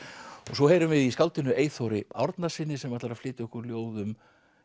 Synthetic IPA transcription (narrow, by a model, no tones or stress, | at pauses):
ɔɣsɔheːjɾʏmvɪðiskalt̪ɪnʏʔeːjθowɾɪa̰ɾt̪nḁsɪnːɪsɛmaɾt̪aɾaflɪːt̪ɪʏhkʏɾljoːwðʏm